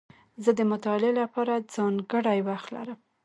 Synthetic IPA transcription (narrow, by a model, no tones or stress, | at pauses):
zəd̪əmʊt̪ɑɪlelapɑɾad͡zɑŋɡəɽajwaxt̪la̰ɾəm